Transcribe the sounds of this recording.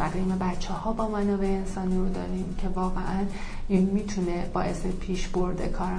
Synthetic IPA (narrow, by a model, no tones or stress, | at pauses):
æɣiːmebætt͡ʃʰːehɒːbɒːmænɒːvejeensɒːniːɾod̪ɒ̰ːɾiːmcʰe̞vɒːɣḛʔæn | iːnmiːt̪ʰuneb̥ɒːʔe̞sepʰiːʃboɾd̪ḛkʰɒːɾ